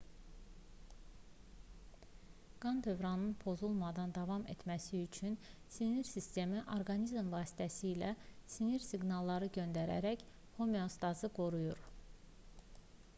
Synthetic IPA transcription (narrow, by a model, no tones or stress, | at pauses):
ɡ̥ɑnd̪ø̞vɾɑnɯnpʰo̞zulˠmɑd̪ɑnd̪ɑvɑme̞̰t̪mæsiyt͡ʃʰynsiniɾsist̪e̞miʔo̞ɾɡɑnizmvɑːsi̥t̪ʰæsiːlæsiniɾsiɡnɑlˠːɑɾɯɟø̞nd̪æɾæ̰ɾæç | homeost̪ɑzɯɡo̞ɾujuɾ